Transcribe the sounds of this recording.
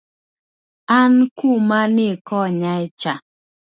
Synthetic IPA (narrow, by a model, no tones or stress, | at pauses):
ankumanekɔɲait͡ʃa